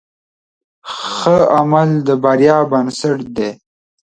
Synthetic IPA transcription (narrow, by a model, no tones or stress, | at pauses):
xəamald̪əbaɾjɑːbənsəʈd̪e